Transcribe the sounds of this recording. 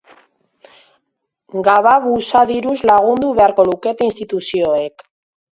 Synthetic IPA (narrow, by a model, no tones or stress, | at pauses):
ɡaβaβusaðiɾuzlaɣ̞und̪uβe̞aɾko̞luke̞t̪inst̪it̪usio̞ek